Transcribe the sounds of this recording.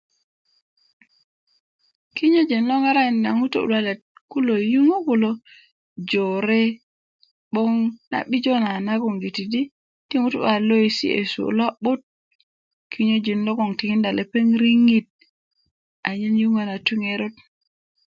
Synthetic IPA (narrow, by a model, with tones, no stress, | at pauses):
ki˦ɲo˦d͡ʒi˨nlo˦ŋa˦ɾa˦˨na˨ŋu˦to˨ṵ˨la˦˨le˨t̚ku˦lo˨ju˦ŋo˦ko˨lo˦ | d͡ʒo˨ɾe˦ | ɓo˦ŋna̰˨ɓi˦d͡ʒo˦na˨na˦ɡo˨ŋɡi˨ti˨di˦ | ti˦ŋu˦tṵ˨ba˨lo˦i˨sḭ˦ḛ˨sṵ˨la˦ɓo˦t̚ | kʰi˦ɲo˦d͡ʒi˨nlo˦ɡo˨ŋti˨ŋi˦nda˨le˨pe˦ŋɾi˦ŋi˦t̚ | a˨ɲi˦nju˦ŋa˨na˨tu˦ŋe˦ɾo˦t